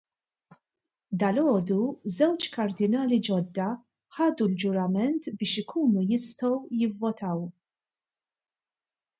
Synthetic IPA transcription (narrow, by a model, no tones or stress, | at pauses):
d̪ɐlɔːd̪uzɛwt͡ʃkɐɾd̪ɪnɐːlid͡ʒɔd̪ːɐ | ħɐːd̪uld͡ʒʊɾɐmɛnt̪bɪːʃɪkʰuːnujɪst̪ɔwjɪvːɔt̪ʰɐw